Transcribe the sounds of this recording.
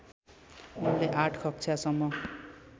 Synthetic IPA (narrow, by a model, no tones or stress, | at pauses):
unleʔaʈʰkʰʌk̚t͡sʰasʌmːʌ